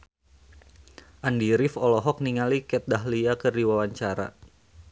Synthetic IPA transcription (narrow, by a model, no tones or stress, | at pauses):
ʔandiɾifɔlɔɦɔk̚niŋalikɛt̪̚daɦliakɨrdiwawaɲt͡ʃaɾa̰